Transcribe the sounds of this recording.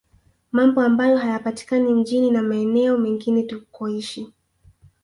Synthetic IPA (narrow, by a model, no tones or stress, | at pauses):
mambɔambajɔɦajapati̥kanim̩ʄininamaɛnɛɔmɛŋɡinɛtukɔiʃi